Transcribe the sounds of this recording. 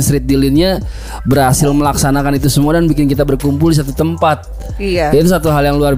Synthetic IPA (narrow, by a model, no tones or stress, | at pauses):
nsɾɪt̪̚dilɪnɲa | bərhasɪlməlaksanakanit̪usəmuadanbikɪnkit̪abərkumpuldis̬at̪ut̪əmpat̪̚ | jat̪s̬at̪uɦaljaŋluar